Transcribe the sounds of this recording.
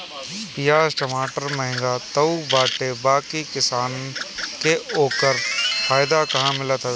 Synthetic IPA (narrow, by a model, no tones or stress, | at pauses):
bɪjaːsʈɐmaːʈəɾməɦɪ̃ŋɡat̪əubaːʈebaːkikɪsaːnkeoːkəɾfʰaːɪd̪akɐɦãmɪlət̪ɦɛ